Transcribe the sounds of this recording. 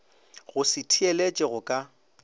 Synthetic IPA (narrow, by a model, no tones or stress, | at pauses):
ɣʊsɪtʰielet͡ʃʼɛɣʊkʼa